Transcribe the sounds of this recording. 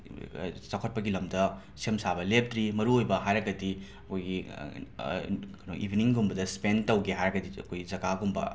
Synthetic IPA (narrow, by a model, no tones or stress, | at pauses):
sɐkʰot̚pɐɡilɐmdɐ | semsabɐlep̚tɾimɐɾuojbɐɦajɾɐɡɐdi | ɐkʰojɡi | knoʔibʱiniŋɡumbɐdɐspentɐwɡeɦajɾɐɡɐdiɐ̰kʰojɡizɐɡaɡumbɐ̰